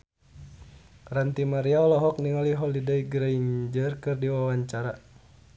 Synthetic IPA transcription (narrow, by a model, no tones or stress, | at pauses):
rant̪imaɾiaɔlɔɦɔk̚niŋaliɦɔlidaiɡɾaiɲd͡ʒərkɨrdiwawaɲt͡ʃaɾa